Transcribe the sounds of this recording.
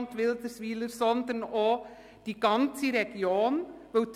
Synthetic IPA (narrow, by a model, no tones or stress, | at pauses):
nt̪ʋɪld̪əsʋiːləɾsɔnd̪əno | d̥iɡ̥ɑnt͡siɾɛɡ̥joːnʋɵw